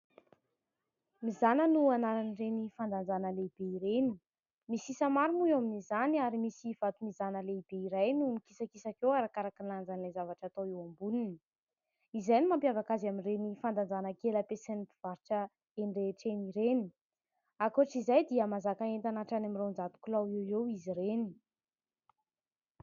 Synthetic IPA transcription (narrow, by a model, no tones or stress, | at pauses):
mizanənuanaɾanirenifand̪and͡zanəleib̥eiɾeni̥ | misisamaɾimuaminizaniaɾimisiv̥at̪umizanəleib̥eiɾajnumikisakisakewaɾakaɾakinand͡zanlezavaʈ͡ʂat̪oewambunini | izajnimampjavakazaminrenifand̪and͡zanəkeləpesenipiv̥aɾiʈ͡ʂə | eɳɖ͡ʐeʈ͡ʂeniɾeni̥ | akuʈ͡ʂizajd̪iəmazakaent̪anaʈ͡ʂanamirend͡zat̪u̥kulawewewiziɾeni̥